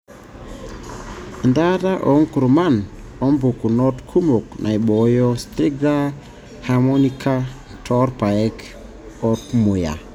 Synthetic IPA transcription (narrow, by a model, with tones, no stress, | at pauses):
nda˦da˦ʔo˨˦ŋku˨ɾma˦˨no˦mbu˨ku˨no˦tkʰu˦mo˨knʔa̰˨jɓo˨jɔ˦st̪ɾi˦ɡ̚da˦ | ha˨mo˦ni˦kʰa˦ | tʰɔ˦ɾpa˨ɛ˦k | o˦tmu˨ja̰˨